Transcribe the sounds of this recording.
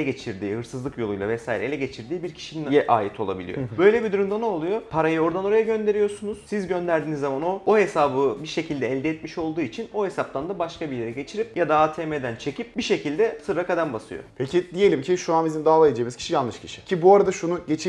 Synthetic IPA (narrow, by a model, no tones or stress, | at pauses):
ɛɟe̞t͡ʃʰiɾd̪iːhɯɾsɯzlˠɯkjo̞lˠujlˠavɛsaːjiɾɛelʲɛɟet͡ʃʰiɾd̪iːbiɾcʰi̥ʃininjɛʔaːjit̪ʰo̞lˠa̰bilʲḭjo̰bø̞jlʲebid̪uɾumd̪anoːlˠujo̞pʰaɾajɯo̞ɾd̪ano̞ɾajaɟø̞nd̪e̞ɾijo̞sunuz̥sizɟø̞nd̪æɾd̪iːnizːamano̞oɦe̞saːbɯbiɾʃe̞cʰilʲd̪ɛɛlʲd̪ɛɛt̪miʃo̞lˠd̪uːit͡ʃʰino̞he̞sap̚t̪ʰand̪abaʃkabiɾljʲeɾɛɟe̞t͡ʃʰiɾip̚jad̪aaːt̪ʰeːmed̪ænt͡ʃʰe̞cip̚biʃe̞cʰilʲd̪ɛsɯɾːakad̪anbasɯ̰jo̰pʰecʰid̪ije̞lʲimcʰiʃuanbizimd̪aːlˠaed͡ʒijːmizcʰiʃijalˠnɯʃcʰi̥ʃi̥cʰibuaɾad̪aʃunuɟe̞t͡ʃʰi